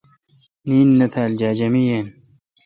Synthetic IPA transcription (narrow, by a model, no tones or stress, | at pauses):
niːnːɐt̪ʰald͡ʒaːd͡ʒɐmijen